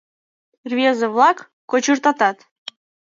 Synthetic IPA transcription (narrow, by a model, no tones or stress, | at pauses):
rvʲezə̆βlˠɑkː | ot͡ɕurt̪ɑt̪ɑt̪